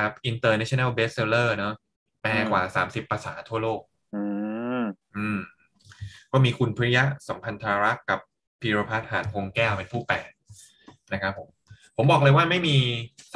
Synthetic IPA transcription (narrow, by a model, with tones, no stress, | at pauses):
kʰa˦˥p̚ʔi˧nt̪ɤː˧nɛ˦˥t͡ɕʰo˧na˥˩beː˦˥s̚seː˧lɤː˥˩nɔ˦˥ | pɛː˧kwaː˨˩saː˩˦msi˨˩pːa˧saː˩˦t̪ʰu˥˩ɐloː˥˩k̚ | ɯː˧ | ʔɯː˧˩m | kɔː˥˩miː˧kʰu˧npʰɯ˦˥˧ja˦˥sa˩˦mpʰa˧nt̪ʰa˧ɾa˦˥ka˨˩p | pʰːiː˧ɾoː˧pʰa˦˥t̪̚haː˩˦nkʰo˧ŋkɛː˥˩wpe˧npʰuː˥˩pɛː˨˩k̚ | na˦˥kʰa˦˥pʰːo˩˦mpʰo˨˩˦mbɔː˨˩k̚ɤ˧jwaː˥˩ma˥˩jmiː˧